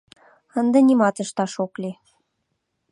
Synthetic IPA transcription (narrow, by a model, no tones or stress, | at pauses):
ə̆nd̪ɤ̆nimɑt̪ə̆ʃt̪ɑʃokli